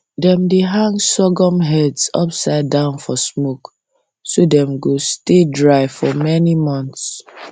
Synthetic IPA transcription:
dɛ̃mdeɦãŋsɔɡɔ̃mɦɛdsɔ̰psaɪdãʊ̃nfɔsmok | sodɛ̃mɡostedɹaɪfɔmɛnimɔ̃nts

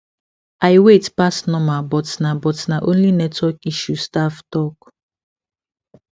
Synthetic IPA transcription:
ajwetpasnɔmabɔtnabɔtnaʔõnlinɛtwɛkiʃustaftɔk

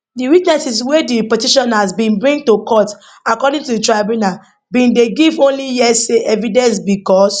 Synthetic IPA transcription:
diwiknɛsis̬wɛdipɛtiʃɔ̃nazbĩnbɹĩŋ̚tukɔt | akɔdĩŋtuditɹabjuna | bĩndeɡivõnlijɛseʔɛvidɛ̃ns̬bikɔs

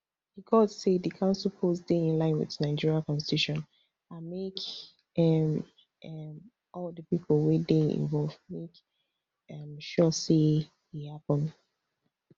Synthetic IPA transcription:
hiɡɔtsedðəkʰãʊ̃nsl̩ˠpʰosdeɪ̃nlãɪ̃nwɪ̰ðənaɪd͡ʒiɹiakɔ̃nsti̥tuʃɔ̃n | ãnmek | ɛm | m | ʔɔlˠðəpipʰl̩ˠwedeḭ̃nvɔlˠvmek | ʌmʃɔse | hihapə̃n

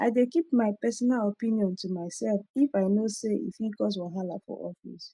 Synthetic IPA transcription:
aɪdekipmaɪpɛsɔnalɔpĩniɔ̃ntʰumaɪsɛlfifaɪnoseḭfhiɡɔs̬wɛ̃ɦala̰fɔ̰ʔɔfḭs

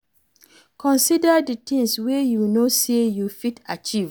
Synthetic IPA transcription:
kɔ̃nsidaditĩŋswejunosejufitat͡ʃiv

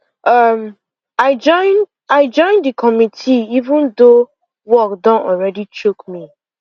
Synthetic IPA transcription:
ʌm | aɪd͡ʒɔ̃ɪ̃n | aɪd͡ʒɔ̃ɪ̃ndɨkʰɔmitʰiivũndo | wɔkdɔ̃nɔlɹɛdit͡ʃokmi

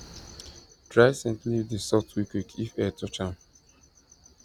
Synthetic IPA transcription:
d̥ɹajsɛ̃ntlivdisɔtwikwikʰifɛtʰɔt͡ʃãm

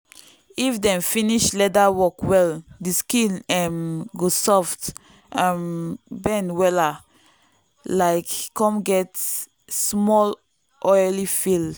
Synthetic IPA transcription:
ifdɛ̃mfĩniʃlɛdawɔkwɛldiskĩnɛ̃mɡosɔft | ʔãmbɛ̃nwɛla | laɪkkɔ̃mɡɛt | smɔl | ʔɔjlifil

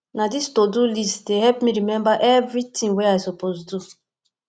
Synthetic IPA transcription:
nadistodulistdeɦɛpmiɾimɛ̃mbaʔevɾitĩŋweaɪsoposdu

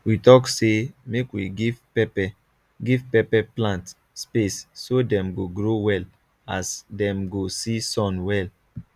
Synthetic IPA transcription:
witɔksemekwiɡiv | ɛpɛ | ɡivpɛpɛplãnt | spesːodɛ̃mɡoɡɹowɛl | asdɛ̃mɡosisɔ̃nwɛl

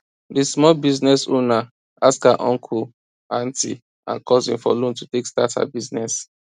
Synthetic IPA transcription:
dismɔlbiznɛsona | askaʔɔ̃ŋkʰu | ãnti | ã̰nkɔzĩmfɔlõntutekstatha̰biznɛs

